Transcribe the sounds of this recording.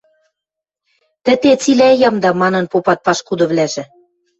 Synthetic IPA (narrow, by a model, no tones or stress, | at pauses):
t̪ɘ̆t̪et͡silæjɑmd̪ɑmɑnɤ̆npopɑt̪̚pɑʃkud̪ɤ̆βlæʒɘ̆